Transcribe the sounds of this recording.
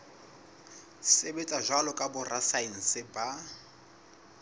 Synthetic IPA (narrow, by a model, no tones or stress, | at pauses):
sebet͡sʼaʒwalɔkʼabʊrasain̩sɪba